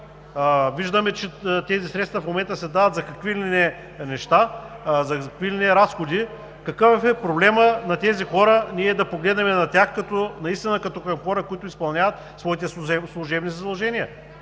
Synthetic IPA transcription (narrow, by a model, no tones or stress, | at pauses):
viʒd̪ɐmɛt͡ʃɛt̪ɛzisɾɛt̪st̪vɐfmomɛnt̪əsɛd̪avɐt̪zɐkɐkvilinɛ | nɛʃt̪a | zɐkkvilinɛɾasxod̪i | kɐkɤffɛpɾoblɛmənɐt̪ɛzixɔɾəniɛd̪ɐpoɡlɛd̪nɛmɛnɐt̪ʲaxkɐt̪ɔnɐist̪inəkɐt̪ɔkɐmxɔɾəkoit̪ʊispɐlˠnʲavɐt̪ | svɔit̪ɛɛslˠʊʒɛbnizɐd̪ɐlˠʒɛniɐ